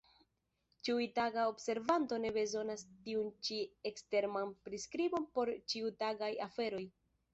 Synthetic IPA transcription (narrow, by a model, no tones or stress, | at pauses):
t͡ʃiujtaɡaobse̞ɾvanto̞ne̞be̞zo̞nastiunt͡ʃiekste̞ɾmanpɾiskɾibo̞npo̞ɾt͡ʃiutaɡajafe̞ɾo̞j